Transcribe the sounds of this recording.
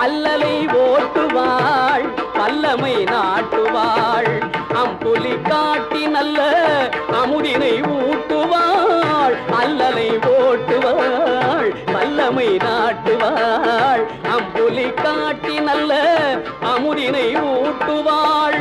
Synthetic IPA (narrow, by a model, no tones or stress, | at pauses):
ɐlːɐlɐɪʋoːʈːɯʋaːɭʋɐlːɐmɐɪnaːʈːɯʋaːɭʔɐmpʊlikːaːʈːinɐlːɐɐmɯðɪnɐɪuːʈːɯʋaːɭɐlːɐlɐɪʋoːʈːɯʋaɭʋɐlːɐmɐɪnaːʈːɯʋaːɭʔɐmpʊlikːaːʈːinɐlːɐ | ʔɐmɯðɪnɐɪuːʈːɯʋaːɭ